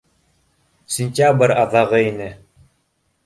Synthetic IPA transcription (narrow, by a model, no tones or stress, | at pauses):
sʲɪnʲtʲabəɾaðaʁɤinɘ